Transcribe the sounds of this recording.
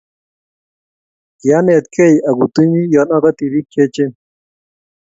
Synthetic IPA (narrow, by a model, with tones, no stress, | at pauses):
ja˦ne˨t̪kʰe˦˨ja˨ɡu˨t̪u˦ɲi˦jɔ˨na˦ka˦t̪i˨ɾi˦kʰːe˦t͡ʃe˦